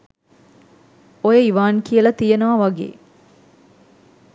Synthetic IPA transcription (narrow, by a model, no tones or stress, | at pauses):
ojeiʋaːnkijəlɐt̪ijenɐʋɐʋɐɡḛː